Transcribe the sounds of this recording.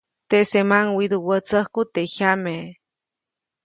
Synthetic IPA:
t̪esemaŋwid̪uwət͡səhkut̪eʔhame

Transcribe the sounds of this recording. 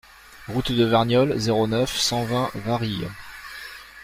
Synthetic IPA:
ʁut̪d̪əvɛʁnjɔlzeʁonœfsɑ̃vɛ̃vaʁij̰

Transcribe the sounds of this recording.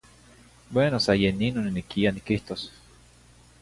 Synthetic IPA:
bwenosajeninoninikianikiht̪os

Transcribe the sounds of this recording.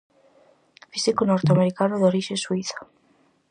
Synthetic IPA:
fisikonoɾt̪eameɾikanoðoɾiʃẽswiθḁ

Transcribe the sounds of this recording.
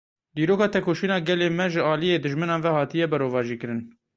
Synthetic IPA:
d̪iːɾoːkɑːt̪ʰɛkoːʃiːnɑːɡɛleːmɛʒɨɑːlijeːd̪ɨʒmɨnɑːnvɛhɑːt̪ijɛbɛɾoːvɑːʒiːkɨɾɨn

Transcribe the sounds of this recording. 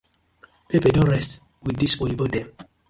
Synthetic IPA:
pepɛdɔ̃nɹɛst | widdisoibodɛ̃m

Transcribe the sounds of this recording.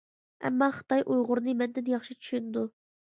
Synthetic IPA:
ɛ̰mːɑχə̥t̪ɑjʔujʁʊɾnɨmɛnd̪ɪnjɑχʃit͡ʃʰy̥ʃynɪd̪u

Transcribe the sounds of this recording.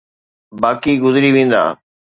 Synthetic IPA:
baːkiɡʊzɪɾiʋẽːn̆d̪a̰ː

